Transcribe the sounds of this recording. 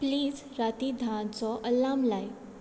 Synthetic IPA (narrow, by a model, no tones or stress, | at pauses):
pliːz | ɾat̪id̪ʱãt͡sɔʔəlːamlaj